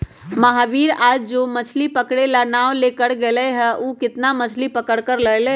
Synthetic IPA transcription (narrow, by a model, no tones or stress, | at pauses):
məɦaʋiːɾaːd͡ʒd͡ʒoːmət͡ʃʰlipəkɽelanaːolekəɽɡeləɦɛʔukɪt̪namət͡ʃʰlipəkəɽkəɾləjlə